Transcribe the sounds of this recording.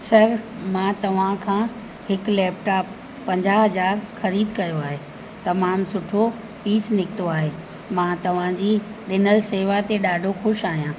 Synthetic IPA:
sɐɾ | mãːt̪ɐʋ̤ãkʰãː | hɪklɛːpʈaːpː | ɐ̃ɲd͡ʑaɦɐzaːɾxɐɾiːd̪kɐjoaːɦeː | t̪ɐmaːmsʊʈʰo | piːsnɪkɪt̪oaːɦeː | mãt̪ɐʋ̤ãd͡ʑiːɗɪnəlseːʋat̪eɗaːɖʱoxʊʃaːɦijãː

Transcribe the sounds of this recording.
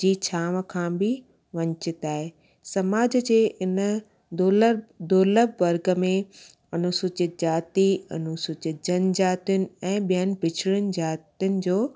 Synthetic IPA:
d͡ʑiːt͡ɕʰaːʋ̆kʰãːbɪ | ʋɐ̃ɲt͡ɕɪt̪aːɦe | sɐmaːd͡ʑd͡ʑeːʔɪnə | ld̪oːləbʋɐɾɡə̆mẽ | ɐnʊsʊt͡ɕɪd͡ʑaːt̪iɐ̰nʊsʊt͡ɕɪd͡ʑən̆d͡ʑaːt̪jʊnɪ̆ɛ̃ːɓijənɪ̆bʱɪt͡ɕʰɽʊnɪ̆d͡ʑaːt̪iʊnɪ̆d͡ʑoː

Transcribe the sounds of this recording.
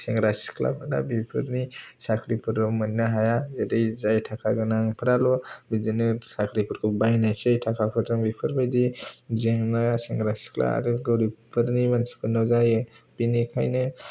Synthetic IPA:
seŋɡɾasi̥kʰla̰pʰɯna̰bipʰɯɾnisakʰɾipʰɯɾɔmɯninaɦajazedejzajtʰakʰaɡɯnaŋpʰɯɾalɔbizinɯsakʰɾipʰuɾkʰɯbajnajsajtʰakʰapʰɯɾtaŋbipʰɯɾpʰɯjdizeŋnaseŋɡɾasi̥kʰla̰a̰ɾɯɡɔwɾipʰɯɾnimansi̥kʰɯnɔwzajbinikʰajnɯ

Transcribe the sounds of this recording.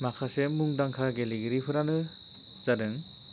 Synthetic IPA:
makʰasemuŋdaŋkʰaɡeliɡɯɾipʰɯɾanɯ | z̥adɯŋ

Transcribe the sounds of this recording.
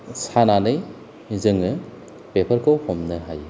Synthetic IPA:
sananɯj | zɯŋɯ | pepʰɐɾkʰowhomnɯɦaj

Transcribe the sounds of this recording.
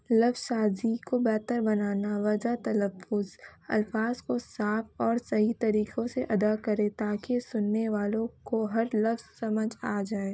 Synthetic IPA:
lɐfz̥saːzikobɛːt̪əɾbɐnaːnaʋɐd͡ʒat̪ɐləfːʊzɐ̰lfaːzkosaːfɔːɾsɐɦit̪ɐɾiːkõseʔɐd̪akɐɾẽt̪aːkesʊnːeʋaːlõkoɦɐɾlɐfz̥sɐməd͡ʒaːd͡ʒaːe

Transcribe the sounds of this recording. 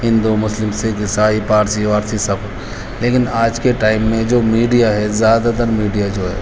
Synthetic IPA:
ɦɪ̃nd̪umʊslɪmsekisaːipaːɾsiaːɾsisɐb | leːkɪnaːd͡ʒkeʈaːɪmːẽd͡ʒoːmiːɖijaɦɛzjaːd̪at̪əɾmiːɖijad͡ʒoːɦɛ̰ː

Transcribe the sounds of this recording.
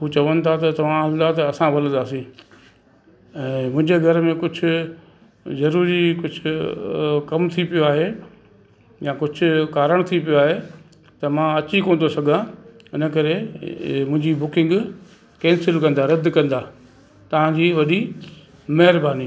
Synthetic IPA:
ɦut͡ɕɐʋənɪ̆t̪ʰat̪ɐt̪ɐʋ̤ãɦɐld̪at̪ɐːsãʋɐlə̃d̪aːsĩː | ɛ̃ːmʊ̃ɦɪ̃ɲd͡ʑeɡʱɐɾmẽkʊd͡ʑʱʊ̆ | zɐɾuːɾikʊd͡ʑʱʊ | kɐmt̪ʰipijoaːɦe | jãːkʊd͡ʑʱʊ̆kaːɾəɽ̃t̪ʰipijoaːɦe | t̪ɐmãɐt͡ɕikoːn̆d̪osɐɡʱãɪnə̆kɐɾemʊ̃ɦɪ̃ɲd͡ʑibʊkɪ̃ŋɡ | kɛ̃ːnsɪlkɐ̃nd̪aɾɐd̪kɐ̃nd̪aː | t̪ɐʋ̤ãd͡ʑiːʋɐɗi | mɐɦɪɾbaːniː

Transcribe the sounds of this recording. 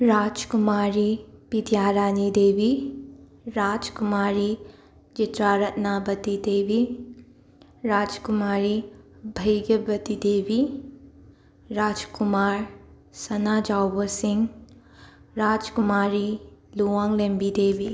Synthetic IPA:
ɾad͡ʒkumaɾipid̪ʱjaɾanid̪ebi | ɾad͡ʒkumaɾi | d͡ʒitɾaɾɐt̚nabɐt̪id̪ebi | ɾad͡ʒkumaɾibʱɐjɡɐbɐt̪id̪ebi | ɾad͡ʒkumaɾ | sɐnad͡ʒawbɐsiŋ | ɾad͡ʒkumaɾiluwaŋlembid̪ebi

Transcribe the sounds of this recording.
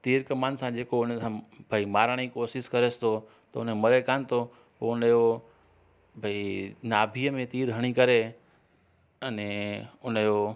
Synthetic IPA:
t̪iːɾkɐmaːnsãd͡ʑeːkoʊnsãbʱɐimaːɾɽ̃ikoːʃɪʃkɐɾest̪ʰo | t̪ɐʊnmɐɾekaːnt̪ʰo | oʊnəjo | bʱainaːbʱiːəmẽt̪iːɾɦɐɽ̃ikɐɾe | ɐnẽʊnəjoː

